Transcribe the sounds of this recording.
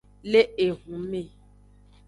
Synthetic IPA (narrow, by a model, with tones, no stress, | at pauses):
le˦e˨ɦũ˨˦me˦˨